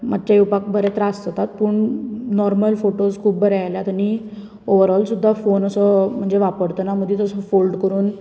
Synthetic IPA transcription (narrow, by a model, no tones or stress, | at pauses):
mad̪t͡ɕajupak̚bʱəɾet̪ɾast̪ət̪at̪̚puːɳnɔɾməlfoʈoskʰuːbbəɾeajljat̪ani | oʋəɾɔlsud̪ʱːafonəsəm̤əɳd͡zeʋapəɽt̪ənam̤əd̪ʱjet̪əsəfolɖkəɾuːn